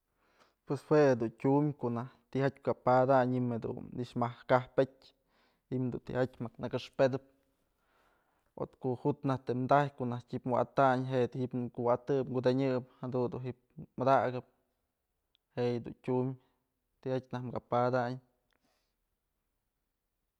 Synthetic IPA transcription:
pweshwehed̪untʲumʲkonaht̪ihat̪ʲmkapad̪aɲimhed̪ṵnniʂmahkahpetʲ | imd̪unt̪ḭhatʲmaknɨkɨʂped̪ɨp̚ | o̰t̪koʔhut̪naht̪emd̪ajkoʔnahtʲipmaa̰t̪aɲɦeʔt̪ihipkuwat̪ɨpŋɡud̪eɲɨphad̪und̪uɦip̚mad̪aɡɨp̚ | heʔjd̪ṵntʲumʲ | t̪ihat̚ʲnahmkapad̪aɲ

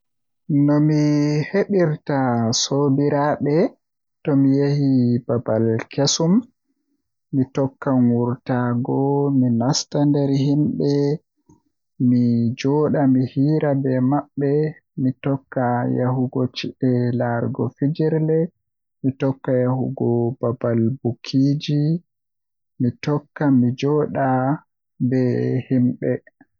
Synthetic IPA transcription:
nɔmiheɓiɾtasobiɾaɓɛ | tɔmijehibabalkesum | itɔkːaŋuɾtaɡɔminastandɛɾɦimbɛ | mid͡ʒɔːɗamihiːɾabɛmaɓːɛmitɔkːaja̰huɡɔt͡ʃiʔɛlaɾɡɔ̰fid͡ʒiɾlɛ | mitɔkːajahuɡɔbabalbukʰid͡ʒi | mitɔkːamid͡ʒɔɗa | bɛhimɓɛ

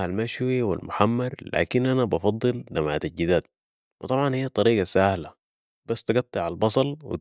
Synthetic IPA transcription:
almaʃwiwa̰lmʊħamːɑɾˤla̰ːkinʔanabɑfɑd̪ˤːɨld̪amaʕt̪ad͡ʒid̪aːt̪̚ | wʔɪt̪ˤɑbʕɑnhijːat̪ˤɑɾiːɡasahla | b̥asːt̪aɡɑt̪ˤːɨʕalbɑsˤɑlwḭ

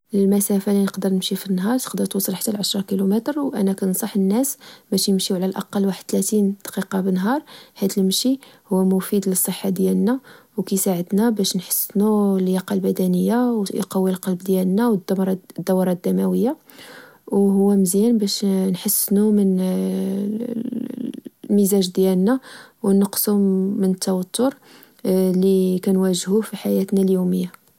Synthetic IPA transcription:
əlmæsæfalinəqd̪əɾˤnəmʃifinːɦɑɾˤt̪ə̥qd̪əɾt̪wɑsˤːəlħḁt̪ːælʕəʃɾˤɑkilumæt̪ɾwʔænækænsˤɑħənːæsbæʃjəmʃiwʕlælʔɑ̰qɑlːwaħəd̪̚t̪læt̪ind̪̥qiqɑbənːɦɑɾˤhæd̪əlmʃihuwːæmʊfid̪ləsˤːəħːad̪jælnæ | wkæsaʕəd̪næbæʃnħə̥sːnuljɑqɑlbæd̪ænəjːawqɑwilqɑlbd̪jælnæwdɾˤd̪ːæwɾˤɑd̪æmæwəjːa | wɦʊwːæməzjænbæʃnħəsːnumən | mizæʒd̪jælnæwnəqsumənət̪ːæwɑt̪ːʊɾ | likænwæʒhufiħajæt̪næljuməjːa

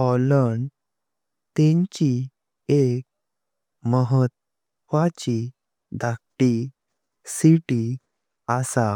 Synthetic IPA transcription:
ɔləɳ | t̪ẽɲt͡ɕi | ek̚ | məɦət̪ | ʋat͡ɕi | d̪ʱak̚ʈi | siʈi | asa

